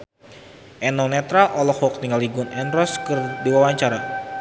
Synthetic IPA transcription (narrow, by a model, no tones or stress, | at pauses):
ʔɛnɔnɛt̪ɾalʔɔlɔhwɔk̚niŋaliɡunɛndɾɔskɨrdiwawaɲt͡ʃaɾa